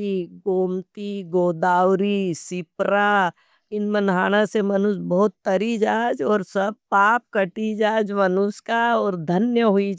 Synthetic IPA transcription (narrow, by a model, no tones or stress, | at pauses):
iɡoːmt̪iɡoːd̪aːwɾisɪpɾa | ɪnmənɦaːɽ̃ãsemɐnʊsbɔɦʊt̪ːɐɾid͡ʒaːd͡ʒɔːɾsɐb̚paːp̚kɐʈid͡ʒaːd͡ʒmɐnʊskaɔːɾd̪ʱɐnjəɦʊid͡ʒ